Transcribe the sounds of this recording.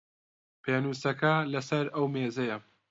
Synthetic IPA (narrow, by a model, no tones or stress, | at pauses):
pʰeːnuːsɐkɐlɐsɐɾɐwmeːzɐjɐ